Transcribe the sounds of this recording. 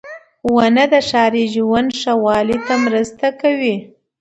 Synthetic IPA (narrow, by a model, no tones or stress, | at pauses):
wanəd̪əʃɑɾiʒwanʂawɑlit̪amɾəst̪akawi